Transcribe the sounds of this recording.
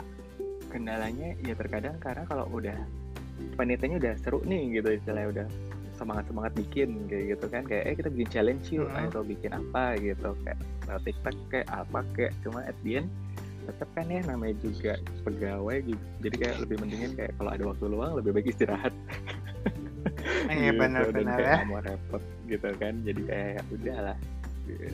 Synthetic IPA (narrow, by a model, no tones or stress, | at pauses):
kəndalahɲajat̪ərkadaŋkaɾənakalo̰ʔudah | paniat̪aɲaudahsəɾʊ̰ʔnɪhɡit̪uist̪ilajudah | səmaŋat̪səmaŋat̪̚bikɪnɡaɡit̪ukankaja̰ʔʔakit̪abikɪnt͡ʃalɛɲʃia̰t̪awbikɪnʔapaɡit̪uka̰ja̰ʔa̰t̪ik̚t̪ɔkːaja̰ʔa̰pakaja̰ʔt͡ʃumaʔɛt̪̚diɛn | t̪ət̪əp̚kanjahnamajd͡ʒuɡaʔ | pəɡawajd͡ʒu | d͡ʒadikaja̰ʔləbɪhməniŋankaja̰ʔkalo̰ʔa̰dawak̚t̪uluaŋləbɪhbaɪk̚ist̪iɾaɦat̪̚ | ɡaitbənəuddanajaamoɾɛpɔt̪̚ɡit̪ukand͡ʒadika̰jajaʔudahlah | ḭ